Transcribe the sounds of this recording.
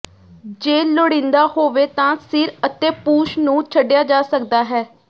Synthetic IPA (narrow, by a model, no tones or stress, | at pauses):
d͡ʒeːloːɽĩːnd̪aːhoːʋeːt̪ãːsɪɾət̪ːeːpuːʃnũːt͡ʃʰəɖjaːd͡ʒaːsəkd̪aːɦɛː